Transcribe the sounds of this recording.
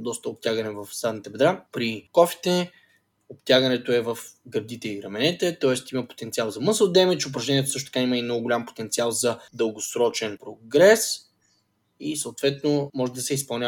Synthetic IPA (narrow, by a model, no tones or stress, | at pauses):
d̪ɔst̪əop̚t̪ʲaɡənɛvɐfsad̪nit̪ɛbɛd̪ɾapɾikɔfi̥t̪ɛ | opt̪ʲjaɡɐnɛt̪oɛvɐfɡɐɾd̪it̪ɛiɾɐmɛnɛt̪ɛt̪ɔɛst̪imɐpo̥t̪ɛnt̪sialˠzɐmɤsəlˠd̪ɛmɛt͡ʃʊp̬ɾɐʒnɛnʲiɛt̪osɤʃt̪ot̪ɐ̥kaiməinɔɡʊɡolʲampo̥t̪ɛnt̪sialˠzɐd̪əlˠɡosɾɔt͡ʃɛnpɾoɡɾɛs | isəʊt̪vɛt̪nomɔʒɛd̪ɐsɛispɐlˠnʲa